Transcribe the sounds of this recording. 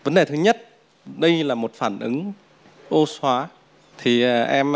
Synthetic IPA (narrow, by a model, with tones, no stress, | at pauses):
və˨˦nɗe˨˩t̪ʰɨ˨˦ɲə˦˥t̚ | ɗə˧jlaː˨˩mo˨˩t̚faː˧˩nʔɨ˨˦ŋ | ʔo˧swaː˨˦ | t̪ʰi˨˩ʔʔɛ˧m